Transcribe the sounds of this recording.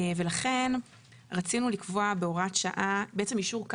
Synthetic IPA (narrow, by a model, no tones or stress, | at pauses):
ve̞laχe̞n | ʁat͡sinulikvo̞abeoʁatʃa̰ʔabeet͡se̞mjiʃuʁk